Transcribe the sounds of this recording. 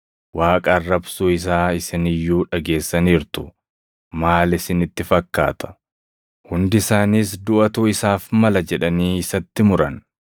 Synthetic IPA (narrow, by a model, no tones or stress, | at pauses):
waːkʼɐrːɐbsuːɪs̬aːɪsɪnɪjːuːᶑɐɡe̞ːsːɐniːɾt̪ʊ̥ | maːlɪsɪnɪt̪ːɪfɐkːa̰ːt̪ɐ̥ | hʊnd̪ɪɪsaːniːs̬d̪ʊʔɐt̪uːɪsaːfmɐlɐd͡ʒɛᶑɐniːɪsɐt̪ːɪmʊɾɐn